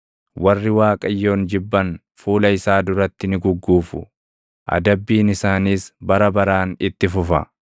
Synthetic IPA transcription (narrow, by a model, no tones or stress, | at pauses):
wɐrːɪwaːkʼɐjːo̞ːnd͡ʒɪbːɐn | fuːlɐɪsaːd̪ʊɾɐt̪ːɪnɪɡʊɡːuːfʊ̰ | ʔɐ̰d̪ɐbːiːnɪsaːniːsbɐɾɐbɐɾaːnɪt̪ːɪfʊfɐ̰